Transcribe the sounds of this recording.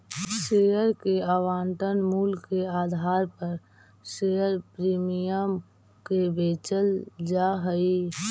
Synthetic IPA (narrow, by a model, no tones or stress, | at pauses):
ʃejəɾkeəwaːnt̪ənmulkeaːd̪ʱaːɾpəɾ | sejəɾpɾiːmijəm | kebet͡ʃəld͡ʒaɦəi